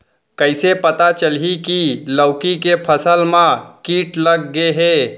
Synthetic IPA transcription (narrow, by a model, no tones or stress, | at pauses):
kəɪsepət̪at͡ʃəlɦikiləʊkikepʰəsəlmãkiːʈləɡːeɦe